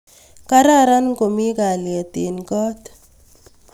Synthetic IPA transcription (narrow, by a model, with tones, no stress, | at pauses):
ka˦ɾa˦˨ɾa˦n˦ko˨mi˦ka˨li˨a˨te˨nkɔ˦t